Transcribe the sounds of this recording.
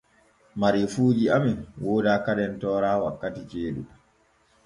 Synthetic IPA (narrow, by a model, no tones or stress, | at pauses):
maɾifuːd͡ʒiaminwoːdaːkaɗɛntɔːɾaːwakːatit͡ʃeːɗṵɗ